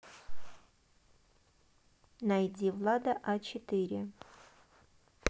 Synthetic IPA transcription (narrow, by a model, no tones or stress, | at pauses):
najdʲivlˠad̪ɐʔat͡ɕɪt̪ɨɾʲɪ